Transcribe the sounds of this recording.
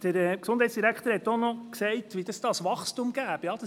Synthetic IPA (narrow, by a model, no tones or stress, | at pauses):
d̥əɾɛksʊnd̥hɛɪtsd̥iɾækχt̪əɾhɛtːonɔksɛɪtʋid̥ɑsd̥ɑsʋɑχstumɡ̥æːb̥əjɑːd̥ɑ